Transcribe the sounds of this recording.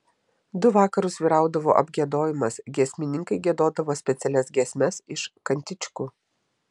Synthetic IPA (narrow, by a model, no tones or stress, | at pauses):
d̪ʊʋɑːkɐɾʊsʋʲiːɾɑˑʊd̪ɐʋo̰ːʔɐ̰bʲɡʲiɛd̪oːjɪmɐsɡʲɛsʲmʲɪnʲɪŋkɐɪɡʲiɛd̪oːd̪ɐʋoːsʲpʲɛt̪sʲɛlʲɛsɡʲiɛsʲmʲɛsɪʃkɐnʲt̪ʲɪt͡ʃʲkuː